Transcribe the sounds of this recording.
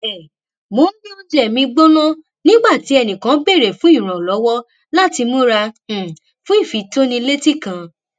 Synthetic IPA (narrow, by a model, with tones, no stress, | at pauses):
ɛ˨ | mo˨˦nĩ˦ɔ˧d͡ʒɛ˨mĩ˧ɡ͡bo˦nã˦ | nĩ˦ɡ͡ba˦˨ti˨˦ɛ˧˨nĩ˨kã˨˦be˦˨ɾe˨fũ˦i˦˨ɾ̃ã˨lɔ˨˦wɔ˦ | la˦ti˧mõ˦ɾã˧˨ | fũ˨˦i˦˨fi˨˦to˦nĩ˧le˦ti˦˨kã˨